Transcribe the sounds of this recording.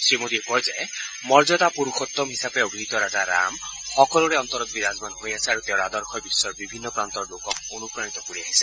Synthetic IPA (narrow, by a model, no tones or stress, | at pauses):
sɹimod̪iɛkɔjzɛ | mɔɹzɔt̪apuɾuxɔt̪ːɔmɦisapeoɡlit̪ɔɾazaɾa̰mxɔkɔluɾɛɔnt̪ɔɾɔt̪̚biɾazmanɦojasɛaɹut̪eʊ̃ɹad̪ɔɹkʰɔjbisːɔɹbibʱinːɔpɹant̪ɔɹlokɔk̚onupɹanit̪ɔkoɹiaɦisɛ